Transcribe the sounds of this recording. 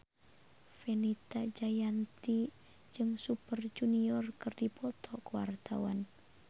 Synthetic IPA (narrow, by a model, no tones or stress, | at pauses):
fɛnit̪ad͡ʒajant̪i | d͡ʒɨŋsupərd͡ʒuniɔrkɨrdipɔt̪ʰɔkuwa̰rt̪a̰wa̰n